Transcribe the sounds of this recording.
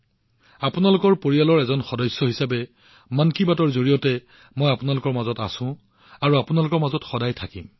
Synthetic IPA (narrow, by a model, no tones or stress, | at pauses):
apʊnalʊkɔɹpoɹialɔɹɛzɔnxɔdɔjsːɔɦisabɛ | mankibatɔɹzoɹijɔtɛ | mojapʊnalʊkɔɹmazɔta̰sʊ̃ | aɹuapʊnalʊkɔɹmazɔtxɔdajtʰakḭm